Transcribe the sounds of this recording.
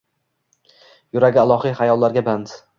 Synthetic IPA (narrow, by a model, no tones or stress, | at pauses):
jʊɾaɡʲɪalˠɒhijχajɒlˠːaɾɡʲaband̪